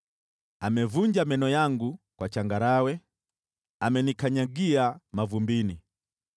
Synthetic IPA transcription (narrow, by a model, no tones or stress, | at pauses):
amɛvuɲd͡ʒamɛnɔjaŋɡukwat͡ʃaŋɡaɾawɛ | amɛnikaɲaɡiamavumbini